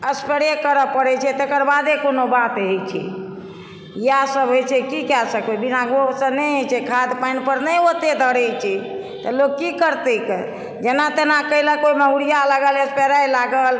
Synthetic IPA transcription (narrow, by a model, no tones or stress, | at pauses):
əspeɽekəɾəpəɾɛt͡ʃʰɛt̪ekəɾbad̪ekonobat̪ɦet͡ʃʰɛ̰ | iasəbɦojt͡ʃʰɛkikasəkbɛbinaɡosə̃nɛjɦet͡ʃʰɛkʰad̪pajnpəɾnəot̪ed̪ʱəɽɛjt͡ʃʰɛ | t̪ɔloɡ̚kːikəɾt̪ekə | d͡ʒenat̪enakəiləkoiməɦuɾijalaɡələspeɾajlaɡəl